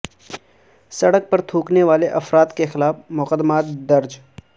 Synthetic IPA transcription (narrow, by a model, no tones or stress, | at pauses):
sɐɽək̚pɐɾt̪ʰuːkneʋaːleʔɐfɾaːt̪kexɪlaːfmʊqəd̪maːt̪d̪ɐɾd͡ʒ